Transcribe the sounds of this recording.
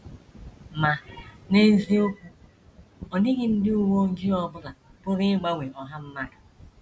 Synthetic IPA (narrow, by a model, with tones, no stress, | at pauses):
ma˨ne˦zi˦o˦kʷu˦ | ɔ˨nɪ˦ɡɪ˦n̩˦dɪ˦u˦wo˦ŋ̩˦d͡ʒi˦ɔ˦bʊ˦la˨pʊ˦ɾɪ˦ɡ͡ba˦ŋʷe˨ʔɔ˨ɦa˦m̩˦ma˦dʊ˨